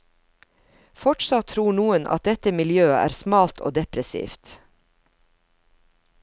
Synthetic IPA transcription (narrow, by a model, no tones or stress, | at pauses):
fɔʈsɑt̪ʰːɾuːɳuːənʔɑ̰t̪̚d̪ɛt̪əmɪljøːəʔæ̰ːɾsmɑːlt̪ʰo̰ːd̪ɛpɾəsḭːft̪